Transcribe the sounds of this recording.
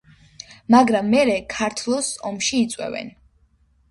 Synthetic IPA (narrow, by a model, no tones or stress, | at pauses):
maɡɾamːɛɾɛkʰaɾt̪ʰlˠɔsɔmʃiːt̪sʼwɛ̰vɛ̰n